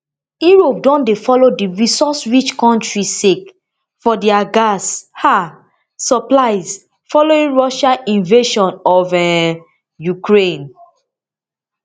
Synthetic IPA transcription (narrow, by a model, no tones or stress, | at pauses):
uɹop̚dɔ̃ndefɔlodiɹisɔsɹit͡ʃkɔ̃ntɹisek | fɔdɛaɡashaː | ɔplaɪs | fɔloĩŋɹɔʃaʔĩnveʃɔ̃nɔvɛ | jukɹẽn